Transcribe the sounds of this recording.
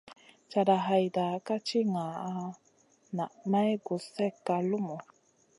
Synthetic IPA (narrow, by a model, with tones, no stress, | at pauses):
t͡ʃa˧da˨ɦa˧jda˨ka˦t͡ʃi˦ŋa˨a˧ | na˨ʔma˦jɡu˨sɛ˦kːa˧lu˦mu˨